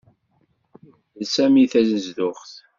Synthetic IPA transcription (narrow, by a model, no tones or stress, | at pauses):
ðsæmiθæznəzðʊχθ